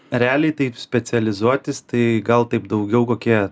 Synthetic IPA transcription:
ɾʲɛæːlʲɛɪt̪ɐɪpsʲpʲɛt͡s̪ʲɛlʲɪzuɔt̪ʲɪst̪ɐɪɡɐlˠt̪ɐɪpd̪ɐʊɡʲɛʊkoːkʲiɛ

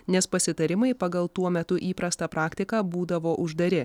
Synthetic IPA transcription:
nʲɛspɐsʲɪt̪ɐɾʲɪmɐɪpɐɡɐlˠt̪uɔmʲɛt̪ʊʔiːpɾɐst̪ɐpɾʔɑːkʲt̪ʲɪkɑːbuːd̪ɐʋoːʔʊʒd̪ɐɾʲɪ

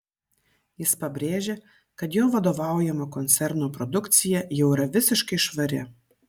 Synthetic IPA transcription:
jɪspɐbʲɾʲeːʒʲeː | kɐt̪joːʋɐd̪oːʋɑˑʊjɛmoːkɔnʲt̪sʲɛɾnoːpɾɔd̪ʊkt̪sʲɪjɛjɛʊɪɾɐʋʲɪsʲɪʃkɐɪʃʋɐɾʲɪ̰

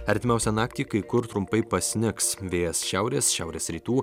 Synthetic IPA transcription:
ɐɾʲt̪ʲɪmʲɛˑʊsʲɛnɑːk̚t̪ʲiːkɐɪkʊɾt̪ɾʊmpɐɪpɐsʲnʲɪksʋʲeːjɛsʃʲɛʊɾʲeːsʃʲɛʊɾʲeːsɾʲiːt̪uː

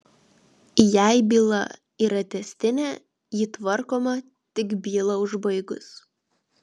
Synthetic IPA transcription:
jæɪbʲiːlˠɐ̰ | iɾɐt̪ʲɛsʲt̪ʲɪnʲɛ | jit̪ʋɐɾkoːmɐ | t̪ʲɪkbʲiːlˠɐʊʒbɐɪɡʊ̰s

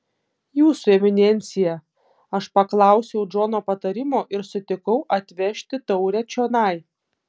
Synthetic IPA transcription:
juːsʊɛmʲɪnʲɛnʲt̪sʲɪjɛ | ɐʃpɐklˠɑˑʊsʲɛʊd͡ʒoːnoːpɐt̪ɐɾʲɪmoːʔɪɾsʊt̪ʲɪkɐʊʔɐt̪ʲʋʲɛʃʲt̪ʲɪt̪ɔʊɾʲɛt͡ʃʲoːnɑˑɪ

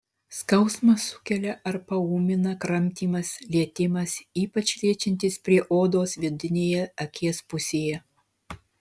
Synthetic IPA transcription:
skɐʊsmɐsʊ̥kʲɛlʲɛʔɐɾpɐuːmʲɪnɐkɾɐmʲt̪ʲiːmɐslʲiɛt̪ʲɪmɐsiːpɐt͡ʃʲlʲiɛt͡ʃʲɪnʲt̪ʲɪspʲɾʲiɛʔoːd̪oːsʋʲɪd̪ʲɪnʲeːjɛɐkʲiɛspʊsʲeːjɛ

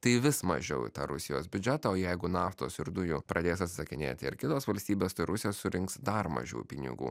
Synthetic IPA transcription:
t̪ɐɪʋʲɪsmɐ̰ʒʲɛʊɪ̰t̪ɑ̰ɾʊsʲɪjoːsbʲʊd͡ʒʲɛt̪ɐoːjɛɪɡʊnɑːft̪oːsɪɾd̪ʊjupɾʔɐd̪ʲeːjsɐt̪ʲsʲɪ̥sɐkʲɪnʲḛːt̪ʲɪɪ̰ɾkʲɪt̪oːsʋɐlʲsʲt̪ʲiːbʲeːst̪ɐɪɾʊsʲɪjoːssʊɾʲɪŋksd̪ɐɾmɐ̰ʒʲṵːpʲɪnʲɪ̰ɡṵː

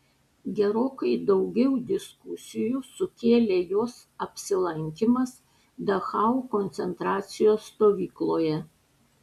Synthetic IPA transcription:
ɡʲɛɾoːkɐɪd̪ɒʊɡʲɛʊd̪ʲɪskʊsʲɪjusʊkʲeːlʲeːjoːs | ɐpʲsʲɪlˠɐŋʲkʲɪmɐs | d̪ɐxɑukɔnʲt̪sʲɛnt̪ɾɑːt̪sʲɪjoːsːt̪oːʋʲiːklˠoːjɛ

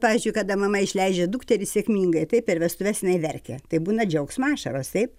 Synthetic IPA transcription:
pɑːʋʲizʲd͡ʒʊɪkɐd̪ɐmɐmɐɪʃʲlʲɛɪd͡ʒʲɛd̪uːkt̪ʲɛɾʲɪsʲeɛkmʲiːŋɡɐɪt̪ɐɪpɪɾʋʲɛst̪ʊʋʲɛsjɪnɐɪʋʲɛrʲkʲɛt̪ɐɪbuːnɐd͡ʒʲɛʊksmɑːʃɐɾoːst̪ɐɪp

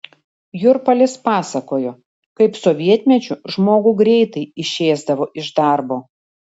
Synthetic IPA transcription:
jʊɾpɐlʲɪspɑːsɐkoːjoː | kɐɪpsɔʋʲiɛt̪ʲmʲɛt͡ʃʲʊʒmoːɡʊɡɾʲɛɪt̪ɐɪɪʃʲeːzd̪ɐʋoːʔɪʒd̪ɑˑɾboː

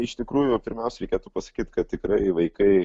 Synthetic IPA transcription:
ɪʃt̪ʲɪkɾuːjʊpʲɪɾʲmʲɛʊsʲɛɾʲɛɪkʲeːt̪uːpɐsɐ̥kʲiːt̪kɐt̪̚ʲt̪ʲɪkɾɐɪʋɐɪkɐɪ

